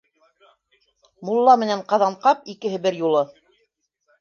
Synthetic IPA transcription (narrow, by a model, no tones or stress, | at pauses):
mulˠːɑmɘ̆næɴqɑðɑɴqɑp̚ikɘ̆ɦɘ̆bɘɾjulˠɤ